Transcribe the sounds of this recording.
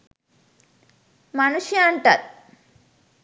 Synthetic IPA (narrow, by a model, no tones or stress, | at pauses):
mɐnuʃjɐːɳʈɐt̪̚